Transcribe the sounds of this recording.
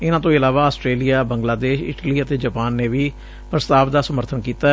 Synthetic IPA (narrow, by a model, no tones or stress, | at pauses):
ɪnãːt̪õːɪlaːʋaːəsʈɾeːlijaːbə̃ŋɡlaːd̪eːʃɪ̰ʈliːət̪eːd͡ʒəpaːnːeːʋiː | pɾəst̪aːʋd̪aːsəməɾt̪ʰənkiːt̪aː